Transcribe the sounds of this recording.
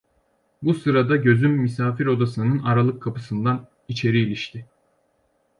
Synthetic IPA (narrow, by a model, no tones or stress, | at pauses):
busɯɾad̪aɟø̞zymːisaːfiɾo̞d̪asɯnɯnaɾalˠɯkʰːapɯsɯnd̪an | it͡ʃʰe̞ɾiːlʲiʃt̪ʰɪ